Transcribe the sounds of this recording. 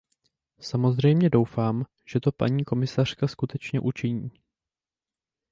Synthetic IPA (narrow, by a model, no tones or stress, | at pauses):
samo̞zr̝ɛjmɲɛdo̞wfaːm | ʒ̥ɛt̪o̞pa̰ɲiːko̞mɪsar̝̥kaskut̪ɛt͡ʃɲɛʔut͡ʃɪɲiː